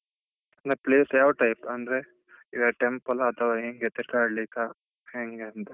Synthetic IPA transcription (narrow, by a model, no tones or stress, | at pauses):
ɐnd̪ɾepliːsjaːʋʈɐjpɐnd̪ɐɾe | iɡɐʈempɐlɐt̪ʰɐʋaɦeːŋɡet̪iɾk̪aːɽlika | heːŋɡeɐnt̪ɐ